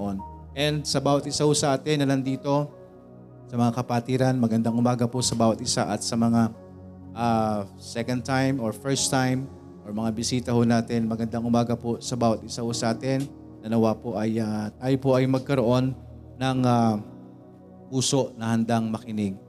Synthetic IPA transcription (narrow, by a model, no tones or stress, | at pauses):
ʔonʔɛnd̪̚sɐbaːwɐt̪̚ʔɪsahosɐʔaːt̪ɪnːɐnɐnd̪iːt̪o̞ | sɐmɐŋakɐpaːt̪iːɾɐnmɐɡɐnd̪aŋʔʊmaːɡɐposɐbaːwɐt̪̚ʔɪsa̰ʔɐt̪sɐmɐŋa | ʔa | sɛkɐn̚t̪ajmoɹfɛɹst̪ajm | ʔoɹmɐŋabɪsiːt̪ɐhonaːt̪ɪnmɐɡɐnd̪aŋʔʊmaːɡɐposɐbaːwɐt̪̚ɪsahosɐʔaːt̪ɪnː | ɐnɐwapoʔɐjat̪aːjopoʔɐjmɐɡ̚kɐɾo̞ʔo̞nː | ɐŋa | puːso̞ʔnɐhɐnd̪aŋmɐkɪnɪɡ̚